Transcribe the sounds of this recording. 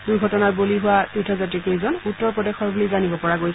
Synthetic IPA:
dujɡʱɔtɔnaɹboliɦʊwatitʰɔzatɹikejzɔnutːɔɹpɹɔdɛxɔɹbulizanibɔpɔɹaɡoj

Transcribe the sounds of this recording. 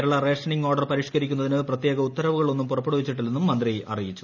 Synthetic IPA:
ɾuɭːɐre̞ːʂɐɳiŋɡo̞ːrɖɐrpɐɾiːʂkɐɾik̬ʲːunːɐðinɨprɐt̪jeːɡɐut̪ːɐɾɐʋuɣɐɭo̞nːumpurɐpːeɽuʋit͡ɕːiʈ̬ːilnenːumːɐnd̪rijʔɐ̰rijit͡ɕːu̥

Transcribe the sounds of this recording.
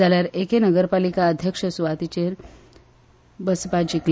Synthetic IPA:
aljaɾekenəɡəɾpalikaəd̪ʱjəkʂəsuʋat̪it͡ɕeɾ | bəspad͡ʑikl

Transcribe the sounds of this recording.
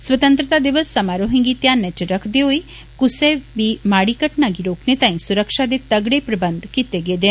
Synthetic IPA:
swət̪ə̃nt̪ɾət̪ad̪iʋəsːɐmaːɾoɦĩŋɡit̪jaːnːɛ̃t͡ʃɾəkʰd̪eoi | kʊsebimaːɽikəʈnaɡiɾoːknet̪aːĩsʊɾəkʃad̪et̪əɡɽepɾɐbənd̪kit̪eɡeːd̪e

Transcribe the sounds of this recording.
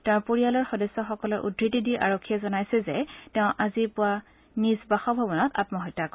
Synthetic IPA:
tɛ̃ʊ̃poɹialɔɹxɔdɔsːɔxɔkɔlɔɹʔṵdʱɹitidiʔa̰ɹokʰːijɛzɔnajsɛzɛtɛʊ̃ʔazipʊa | nizbaxɔbʱɔbɔnɔta̰tmɔɦɔjtːakɔ

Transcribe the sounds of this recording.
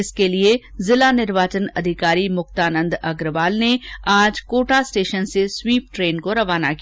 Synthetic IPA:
ɪskeliezɪlanɪɾʋaːt͡ʃənɐd̪ʱɪkaːɾimʊxt̪aːnə̃nd̪ɐɡɾʋaːlneaːd͡ʒkoːʈasʈeːʃənseswiːp̚ʈɾeːnkoɾɐʋaːnaki

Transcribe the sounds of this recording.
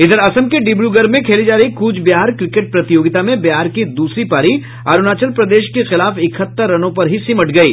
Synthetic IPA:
ɪd̪əɾɐsəmkeɖɪbɽjuɡɐɾmẽkʰeːlid͡ʒaːɾɐɦikuːd͡ʒbjaːɾkɾɪkeːʈ̚pɾɐt̪ɪjoːɡɪt̪amẽbjaːɾkid̪uːsɾipaːɾi | aɾʊnaːt͡ʃəlpɾɐd̪eːʃkexɪlaːfɪkʰət̪ːəɾːɐnõpɐɾɦisimɐʈʰɡɐiː

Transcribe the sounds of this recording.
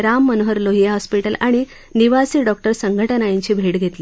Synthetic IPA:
ɾamːənɦəɾloɦiɦɔspiʈəlaɽ̃i | niʋasiːɖɔk̚ʈəɾsəŋɡʱəʈənajĩɲt͡ɕiːbʱeʈɡʱet̪li

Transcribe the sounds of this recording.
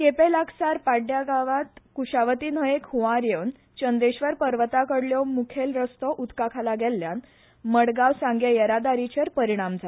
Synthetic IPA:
kepelaɡsaɾpaɖjaɡaʋat̪kuɕaʋət̪iːnəɦekhuʋaɾjəwn | t͡ɕənd̪eɕʋəɾpəɾʋət̪akəɽljɔmukʰelɾəst̪ɔʔut̪kakʰalaɡɛlːjan | məɽɡaʋsãŋɡjejəɾad̪aɾit͡ɕeɾpəɾiɽ̃amd͡zʱa

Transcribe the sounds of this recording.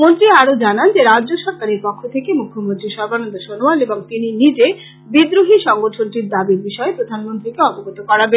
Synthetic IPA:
mont̪ɾiaɾod͡ʑanand͡ʑeɾadʑoʃɔɾkaɾeɾpɔkʰːot̪ʰekemukʰːomont̪ɾiʃɔɾbanond̪oʃonoaneboŋt̪ininid͡ʑe | bid̪ɾuɦiʃɔŋɡoʈʰonʈiɾd̪abiɾbiʃɔepɾod̪ʱanmont̪ɾikeɔpoɡot̪okɔɾaben

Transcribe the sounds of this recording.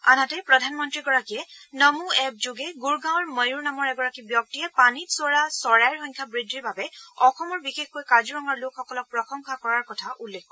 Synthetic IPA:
anatɛpɹɔdʱanmɔntɹiɡɔɹakijɛnəmuɛp̚d͡ʒoɡɛɡuɹɡãwɹməjuɹnamɔɹɛɡɔɹakibjɔk̚tiɛpanitsɔɹasɔɹajɹxɔɲkʰabɹidiɹbabɛɔxɔmɔɹbixexkojkazuɹɔŋaɹlokʰːɔkɔlɔk̚pɹɔxɔŋxakɔɹaɹkɔtʰaʔulːekʰɔ

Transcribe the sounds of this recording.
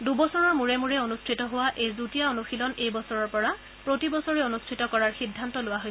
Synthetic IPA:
dubɔsɔɹɔɹmuɹɛmuɹɛonustʰitɔɦowaʔejzutijaonuxilɔnejbɔsɔɹɔɹpɔɹa | pɹotibɔsɔɹɛonustʰitɔkɔɹaɹxidʱːantɔlʊwaɦoj

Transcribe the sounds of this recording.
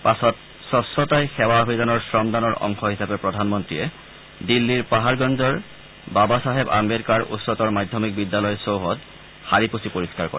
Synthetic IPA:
pasɔt̚ | sɔsːɔtajxɛwabidanɔɹsɹɔmdanɔɹʔɔ̰ŋxʰɔɦisapɛpɹɔdʱanmɔntɹiɛ | dilːiɹpaɦaɹɡɔnzɔɹ | babasaɦeba̰meɹikaɹṵtsɔtɔɹmajdʱːɔmik̚bidːalɔjɔsowɦɔt | haɹiposipoɹiskaɹkɔ̰ɹɛ

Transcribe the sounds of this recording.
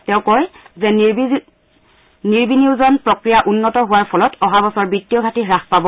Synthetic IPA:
tɛʊ̃kɔjzɛ | niɹbiniʊzɔnpɹɔkɹijaʔunːɔtɔɦʊwaɹpʰɔlɔtʰɔɦabɔsɔɹbitːiɔɡʱatiɹaxpabɔ

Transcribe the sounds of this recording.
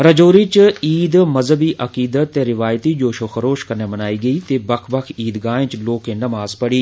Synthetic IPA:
ɾəd͡ʒoːɾiːt͡ʃiːd̪məzəbiːʔəkiːd̪ət̪ːeːɾɪʋaːjt̪iːd͡ʒoːʃoːxəɾoːʃkəɾneːbənaːiːɡəiːt̪eːbəkʰbəkʰiːd̪ɡaːẽːt͡ʃloːkẽːnəmaːzpəɽiː

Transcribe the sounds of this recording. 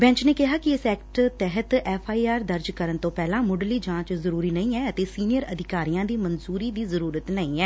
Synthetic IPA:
bɛ̃ːɲt͡ʃneːkɪɦaːkɪɪsɛːkʈt̪ɛɦət̪ɛːfʰaːiːaːɾd̪əɾd͡ʒkəɾənt̪õːpɛːlãːmʊɖliːd͡ʒãːt͡ʃzəɾuːɾiːnəĩːɛːət̪eːsiːnɪjəɾəd̪ɪkaːɾijãːd̪iːmənzuːɾiːd̪iːzəɾuːɾət̪nəĩːɛː

